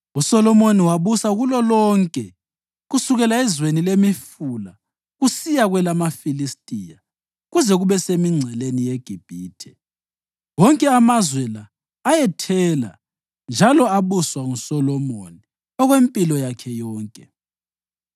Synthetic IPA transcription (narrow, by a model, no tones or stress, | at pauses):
usɔlɔmoniwaβusaɣulɔlɔŋkʼɛ | ɣusuɣɛlaɛzwenilemifula | ɣusijaɣwɛlamafilistʼija | ɣuzɛɣuβɛsemiŋ͡ǀʱɛlenijeɡ̥ʱib̥ʱiːtʰɛ̥ | wɔŋkʼɛamazwɛlaː | jɛtʰɛla̰ | nd͡ʒʱalɔaβuswaŋusɔlɔmo̰ni | ɔɣwempʼilɔjakʰɛjɔːŋkʼɛ